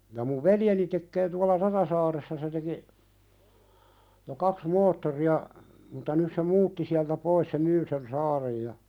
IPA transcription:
jɑ muʋ ʋeljeni tekːeː tuɑlɑ rɑɾɑsɑːresːɑ se teki jo kɑks moːtːoriɑ mutɑ nys se muːtːi siæltæ pois se myː sen sɑːrej jɑ

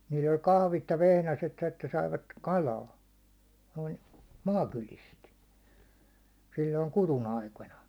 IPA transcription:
niːl olʲ kɑhʋit jɑ ʋehnæset etːæ sɑiʋɑt kɑlɑː noin mɑːkylist silʲːoin kuɾun ɑikonɑ

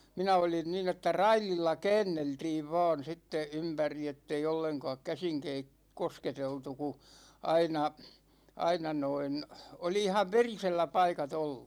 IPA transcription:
minæ olin nin etːæ rɑililːɑ kɛːnːeltiːʋ ʋɑ̝ːn̞ sitːe ympæri etːei olːeŋkɒːk kæsiŋ kei kosketeltu ku ɑinɑ ɑinɑ noin oli ihɑʋ ʋeriselːæ pɑikɑt olːu̥

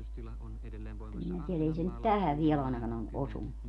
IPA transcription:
kyl minæ tielæ ei se nyt tæhæʋ ʋiel ɑˑenɑkɑn o osunːu

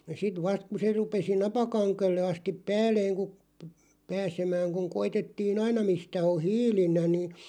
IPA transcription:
sit ʋɑst ku se rupesi nɑpɑkɑŋkelːe ɑstip̆ pæːlˑeːŋ ku p pæːsemæːŋ kuŋ koitetːiːn ɑinɑ mistæ o hiːlilːæ ni

